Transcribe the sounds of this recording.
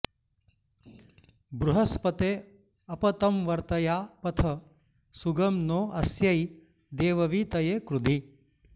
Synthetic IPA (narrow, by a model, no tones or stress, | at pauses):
bɾuɦɐspɐt̪eː | ɐpɐt̪ɐmʋɐɾt̪ɐjaːpɐt̪ʰɐ | suɡɐmnoːʔɐsjɐj | d̪eːʋɐʋiːt̪ɐjeːkɾud̪i